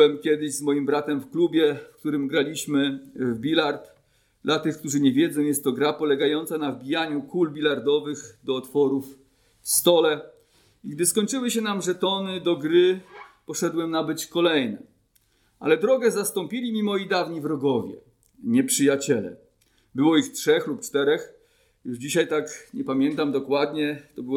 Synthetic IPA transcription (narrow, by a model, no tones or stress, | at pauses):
ɛmkʲɛd̪ɘʑzmɔjimbɾat̪ɛmfklubʲjɛfk̚t̪uɾɘmɡɾalʲiɕmɘvbʲilaɾt̪ | d̪lat̪ɘxkt̪uʐɘɲɛvʲjɛd̪zɔ̃w̃jɛst̪ːɔɡɾapɔlɛɡajɔnt̪sanavbʲijaɲukulbʲilaɾd̪ɔvɘɣd̪ɔːt̪fɔɾuf | fst̪ɔlɛ | iɡd̪ɘskɔɲt͡ʂɘwɘɕɛnamʐɛt̪ɔnɘd̪ɔɡɾɘpɔʂɛd̪wɛmnabɘt͡ɕkɔlɛjnɛ̰ | ʔa̰lɛd̪ɾɔɡɛzast̪ɔmpʲilʲimʲimɔjid̪avɲivɾɔɡɔvʲjɛ̰ | ɲɛpʂɘjat͡ɕɛlɛ̰ | bɘwɔixtʂɛxlupt͡ʂt̪ɛɾɛx | juʐd͡ʑiɕajt̪akɲɛpamʲjɛnt̪amd̪ɔkwad̪ɲɛt̪ɔbɘwɔ